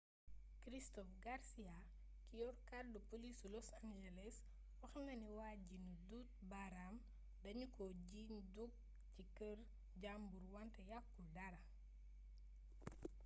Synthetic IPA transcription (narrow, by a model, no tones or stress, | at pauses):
kɾistɔfɡaɾsia | kijɔrkadupolisulɔsaŋd͡ʒɛlɛs | wɐxnɐniwaːɟinuduːt̚baɾam | dɐɲukɔɟiːɲduk̚ | cikər | ɟambuɾwɐntɐjakːudɐɾɐ